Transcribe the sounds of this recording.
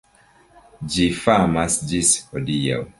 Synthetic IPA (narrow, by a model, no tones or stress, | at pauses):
d͡ʒifamasd͡ʒishodija̰w